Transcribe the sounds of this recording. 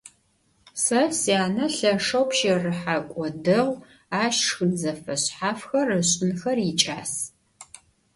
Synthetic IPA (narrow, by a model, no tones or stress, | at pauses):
sɐsjaːnɐɬɐʂɐwpʃerɨħakʷʼɔdɨʁʷ | aːʃʂxɨnzɐfɐɕħaːfxɐrɨɕʼɪnxɐrit͡ʃʼaːs